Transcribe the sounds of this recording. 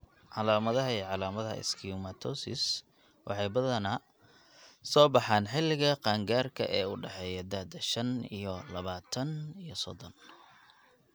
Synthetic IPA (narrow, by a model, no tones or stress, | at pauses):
ʕɑlaːmɐðɐɦɐiːʕɑlaːmɐðɦɐ̰ɪ̰skʰiumɐt̪ʰɔsɪ̰s | wʔɑ̰ħɑjbɐðɐnɐ | sɔːbɑħaːnħɪlːɪɣɐqɑːŋɡaːrkʰɐ̰ʔɛːʊɖɛħɛːjɐd̪ad̪ɐʃɐnḭjɔlɐβaːt̪ʰɐnijɔsɔ̰ðɔn